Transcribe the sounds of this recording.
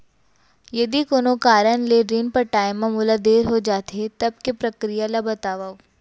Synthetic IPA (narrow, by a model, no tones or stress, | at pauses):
jɐd̪ikoːnokaːɾənleɾinpɐɾʈaːɪmãmulad̪eːɾɦod͡ʒaːt̪eɦet̪ɐb̚kepɾɐkɾijalabɐt̪aːʋao